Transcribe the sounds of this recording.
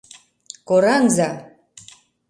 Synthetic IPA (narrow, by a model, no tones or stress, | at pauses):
kʼoɾaŋza